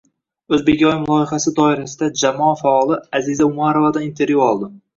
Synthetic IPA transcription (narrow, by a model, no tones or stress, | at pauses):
ɵzbe̞kʲɒjmʊlˠɒjɪχasɪd̪ɒɪɾasɪd̪ad͡ʒamɒfaɒlˠɪazɪzaʊmaɾovad̪anint̪ʰe̞ɾvjuɒlˠd̪ɪ